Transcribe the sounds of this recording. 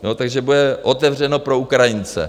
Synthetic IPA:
jot̪aɡʒɛbudɛʔo̞t̪ɛvr̝ɛno̞pɾo̞ukɾajɪnt͡sɛ̰

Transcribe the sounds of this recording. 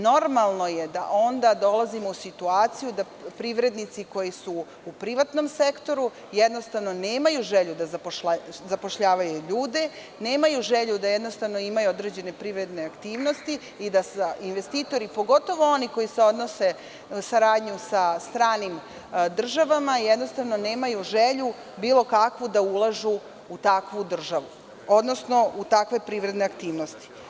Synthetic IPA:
no̞ɾmalˠno̞je̞d̪a̰ʔo̞nd̪ad̪o̞lazimo̞usit̪uaːt̪sijud̪a | pɾiʋɾe̞d̪nit̪siko̞jisuː | pɾiʋat̪no̞mse̞kt̪o̞ɾu | jɛd̪no̞st̪aʋno̞neːmajuʒeʎud̪azapoʃazapoʃʎaːʋajuʎuːd̪e̞ | neːmajuʒeʎud̪ajɛd̪no̞st̪aʋno̞imajuod̪ɾe̞d͡ʑe̞ne̞pɾiʋɾe̞d̪ne̞akt̪iːʋno̞st̪i | id̪asainʋe̞st̪iːt̪o̞ɾipo̞ɡo̞t̪o̞ʋooniko̞jise̞o̞d̪no̞se̞ | usaɾaːd̪ɲusast̪ɾaːnim | d̪r̩ʒaʋamajed̪no̞st̪aʋno̞ne̞ːmajuʒeʎu | biːlˠo̞kakʋud̪aulˠaʒu | ut̪akʋud̪r̩ʒaʋu | od̪no̞sno̞ʔut̪akʋe̞pɾiːʋɾe̞d̪ne̞akt̪iːʋno̞st̪i̥

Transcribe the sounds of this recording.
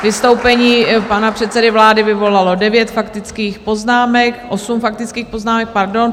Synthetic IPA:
vɪst̪o̞wpɛɲiːpanapr̥ɛt̪sɛdɪvlaːdɪvɪvo̞lalo̞dɛvjɛt̪fakt̪ɪt͡skiːxpo̞znaːmɛkʔo̞sumfak̚t̪ɪt͡skiːxpo̞znaːmɛk̚paɾdo̞n

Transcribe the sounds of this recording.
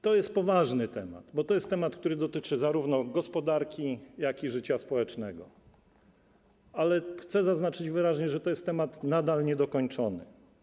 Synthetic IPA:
t̪ɔjɛst̪̚pɔvaʐnɘt̪ɛma̰d̪̥bɔt̪ɔjɛst̪ːɛmat̪̚k̚t̪uɾɘd̪ɔt̪ɘt͡ʂɘzaɾuvnɔɡɔspɔd̪aɾkʲijakʲiʐɘt͡ɕaspɔwɛt͡ʂnɛɡɔ | alɛxt̪sɛzaznat͡ʂɘd͡ʑvɘɾaʑɲɛʐɛt̪ɔjɛst̪ːɛmat̪nad̪alɲɛd̪ɔkɔɲt͡ʂɔnɘ̰

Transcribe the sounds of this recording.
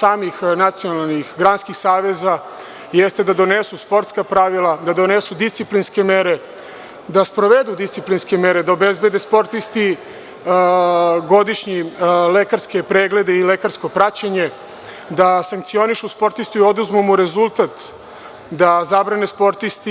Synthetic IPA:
saːmixnat̪sionalˠnixɡɾanskixsaːʋe̞za | jest̪e̞d̪ad̪o̞nesuspo̞ɾt̪skapɾaʋilˠad̪ad̪o̞nesud̪ist̪iplinske̞meɾe | d̪aspɾo̞ʋe̞d̪ud̪ist̪iplinske̞me̞ɾe̞d̪aobezbe̞d̪espo̞ɾt̪ist̪i | ɡo̞d̪iʃɲilekaɾske̞pɾeːɡle̞d̪eile̞kaɾsko̞pɾat͡ɕaɲe̞ | d̪asaŋk̚t̪sio̞niʃuspo̞ɾt̪ist̪uio̞d̪uzmumuɾe̞zulˠt̪at̪ | d̪azabɾanespo̞ɾt̪ist̪i

